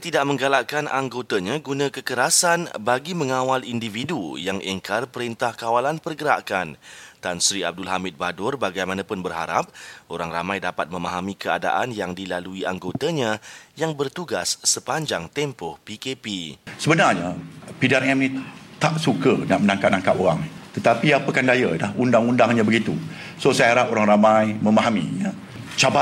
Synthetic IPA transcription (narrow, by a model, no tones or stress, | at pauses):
t̪idaʔmə̃ŋɡalaʔkanʔa̰ŋɡot̪aɲaɡunãkəkəɾasanbaɡiməŋawalindividujaŋʔɛŋkarpəɾint̪ahkawalanpərɡəɾa̰ʔkant̪ansɾia̰b̚dʊlɦamɪt̪̚badʊrbaɡajmãnãpʊnbərɦa̰ɾa̰p̚ʔoɾaŋramãjdapat̪̚mə̃maɦamĩkəa̰da̰ʔanjaŋdilaluiʔaŋɡot̪aɲãjaŋbərt̪uɡasːəpaɲd͡ʒaŋt̪ɛmpɔhpikepisəbənarɲapidiaɾɛmnĩt̪aʔsukənaʔmənãŋkap̚nãŋkapoɾaŋt̪ət̪apiapəkandajadahundaŋundaŋɲãbəɡit̪u | sosajaɾapoɾaŋɾamãjmə̃maɦamḭ̃ɲa | t͡ʃaba